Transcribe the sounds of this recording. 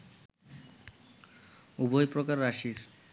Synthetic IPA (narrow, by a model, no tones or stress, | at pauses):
ubojpɾokaɾːaʃiɾ